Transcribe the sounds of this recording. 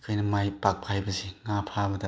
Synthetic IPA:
kʰɯjnɐmajpak̚pʰajbɐziŋapʰabɐdɐ

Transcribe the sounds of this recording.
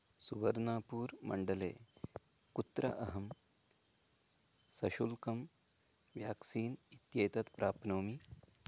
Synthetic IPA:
suʋɐɾnaːpuːɾmɐ̰ɳɖɐlḛː | kut̪ːɾɐ̰ʔɐɦɐm | sɐʃulkɐm | ʋjaːksiːnit̪jeːt̪ɐt̪pɾaːpnoːmi

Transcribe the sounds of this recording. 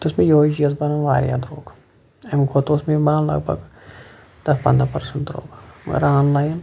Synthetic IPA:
t̪osmẽjoid͡ʒiɐzbɐnɐmʋa̰ːɾja̰ːd̪ɾoːɡ | ɐmkʰoːt̪osmẽbaːnlɐ̰ɡ̚bʱɐ̰ɡ | t̪ɐfpɐ̰nd̪apɐɾsəɳʈ̪ɾo̰ːɡmɐ̰ɡɐ̰ɾaːnlaːjn

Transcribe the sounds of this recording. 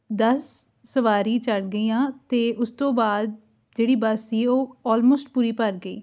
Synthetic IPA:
d̪əsː | əʋaːɾiːt͡ʃəɽɡəiːãːt̪eːʔʊst̪õːbaːd̪̚ | d͡ʒeːɽiːbəsːiːoːɔːlmoːsʈ̚puːɾiːpəɾɡəḭː

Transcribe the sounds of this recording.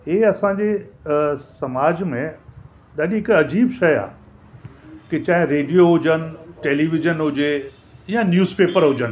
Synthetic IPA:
ɦeːɐsãːd͡ʑe | sɐmaːd͡ʑmẽ | ɗaɗiɦɪkɐd͡ʑiːbʃɐja̰ː | kit͡ɕãːɦɪ̃ɾeːɖijoɦʊd͡ʑənɪ̆ʈeːliːʋɪd͡ʑənɦʊd͡ʑe | ijãnjuːzpeːpəɾɦʊd͡ʑənɪ̆

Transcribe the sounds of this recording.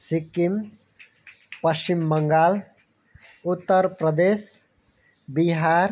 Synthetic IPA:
sikim | pəsimːəŋɡaːl | ut̪ːəɾpɾəd̪es | biɦaɾ

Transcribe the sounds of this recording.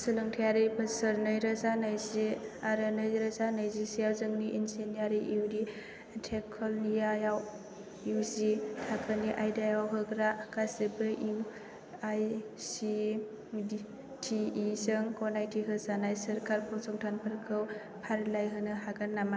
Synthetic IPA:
sɯlɯŋtʰijaɾibɯsəɾnɯjɾazanajziaɾɯnɯjɾazanajzisijawzɯŋniʔinsenijaɾiʔiwdi | tʰekʰɔlnijajaw | iwzitʰakʰɯniʔajdajawɦɯɡɾakasɯbɯʔiw | ajsi | i | tʰiizɯŋkɔnajtʰiɦɯzanajsɐɾkʰaɾpʰɔsɔŋtʰanpʰɯɾkʰɯw | pʰaɾlajɦɯnɯɦaɡanːama

